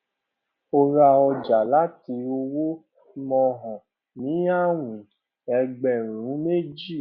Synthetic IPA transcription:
o˧ɾa˧ɔ˧d͡ʒa˨la˦ti˧˦o˧wo˦ | mɔ̃˧ɦɔ̃˨ | nĩ˨˦a˦wĩ˨ | ɛ˧ɡ͡bɛ˨ɾ̃ũ˨˦me˦d͡ʒi˦˨

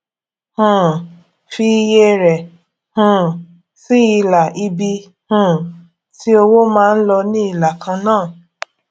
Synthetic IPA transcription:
hũ˨ | fi˧je˧ɾɛ˨ | hũ˨ | si˦i˧la˨ʔi˧bi˧ | hũ˦˧˨ | ti˦o˧wo˦mãː˦˧n̩˦lɔ˧nĩ˦i˦˨la˨kʰã˧nãː˦˨

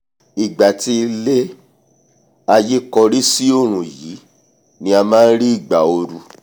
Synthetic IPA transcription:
i˨ɡ͡ba˨ti˧le˦ | a˧je˦kɔ˧ɾi˦si˦o˦˨ɾ̃ũ˨ji˨˦ | nĩ˧a˧mãː˦n̩˦ɾi˦i˦˨ɡ͡ba˨o˧ɾu˧

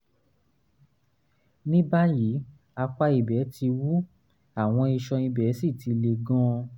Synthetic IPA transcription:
nĩ˦ba˦ji˨˦ | a˧k͡pa˧i˨bɛ˨˦tʰi˧wu˦ | a˦˨w̃ɔ̃˧i˧ʃɔ̃˧i˧bɛ˨˦si˦˨tʰi˨˧le˧ɡɔ̃˦

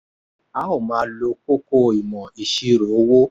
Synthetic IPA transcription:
a˦o˦˨mãː˨˦lo˧ko˦ko˦˨i˨mɔ̃˨i˨ʃi˧ɾo˨˦wo˦

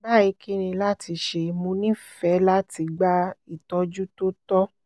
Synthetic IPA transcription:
ba˦˨i˧kʰi˦nĩ˧la˦ti˧ʃe˧mũ˧˦nĩ˦fɛ˨˦la˦ti˧ɡ͡ba˦i˨tɔ˦d͡ʒu˦to˦tɔ˦

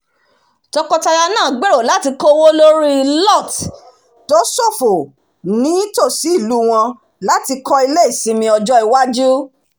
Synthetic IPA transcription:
tɔ˧kɔ˧ta˧ja˧nãː˦˨ɡ͡be˦ɾo˦˨la˨˦ti˧kɔ˦wo˦lo˦ɾi˦˧lɔ˦˨t | do˦so˦˨fo˨ | nĩ˨˦to˦˨si˨˦i˦˨lu˦w̃ɔ̃˧ | la˦ti˧kɔ˧i˧le˦i˦˨sĩ˧mĩ˧ɔ˧d͡ʒɔ˧˦i˨wa˦d͡ʒu˦

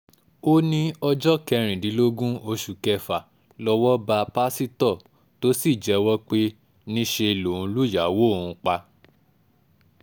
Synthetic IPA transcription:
o˦nĩ˦ɔ˧d͡ʒɔ˦kɛ˧ɾ̃ĩ˨dĩ˨˦lo˦ɡũ˦o˧ʃu˨kɛ˧fa˨ | lɔ˧wɔ˦ba˧pa˦si˦tɔ˦˨ | to˦si˦˨d͡ʒɛ˨˦wɔ˦k͡pe˦ | nĩ˦ʃe˧lo˨ũ˨˧˦lu˦ja˨˦wo˦˨ũ˧k͡pa˧

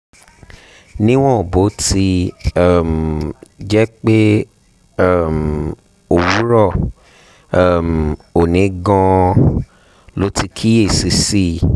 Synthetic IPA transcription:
nĩ˦w̃ɔ̃˦o˨bo˨˦ti˧˦˨ | m̩ | d͡ʒɛ˦k͡pe˦ | ɛ˦˨m | o˨wu˨˦ɾɔ˦˨˦ | m˨o˨nĩ˨˦ɡɔ̃˧ | lo˨˦ti˧kʰi˦e˦˨si˧si˦˨

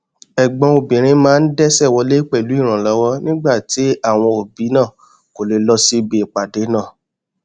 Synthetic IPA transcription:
ɛ˨ɡ͡bɔ̃˧o˨bĩ˨ɾ̃ĩ˧mãː˦n̩˦dɛ˦sɛ˦˨wɔ˧˦le˦k͡pɛ˦˨lu˨˦i˦˨ɾ̃ã˨lɔ˨˦wɔ˦nĩ˦ɡ͡ba˦˨ti˨˦a˦˨w̃ɔ̃˧o˨bi˨˦nãː˦˨ | ko˨le˨lɔ˧si˧be˨k͡pa˨de˨˦nãː˦˨

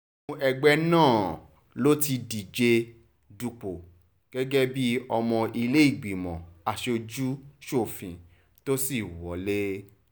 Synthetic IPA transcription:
ɛ˧ɡ͡bɛ˦nãː˦˨ | lo˦ti˧di˨d͡ʒe˧ | du˧k͡po˨ | ɡ̥ɛ˦ɡɛ˦bi˦ɔ˧mɔ̃˧i˧le˦i˦˨ɡ͡bi˨mɔ̰̃˨a˨ʃe˧o˧d͡ʒu˦ʃo˦˨fĩ˨˧ | to˦si˦˨wɔ˨˦le˦

